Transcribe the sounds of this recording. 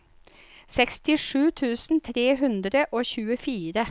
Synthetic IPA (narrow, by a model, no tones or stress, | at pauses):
sɛkst̪ɪʂʉːt̪ʰʉːsn̩t̪ʰɾeːɦʉnd̪ɾəʔoːçʉːəfiːɾə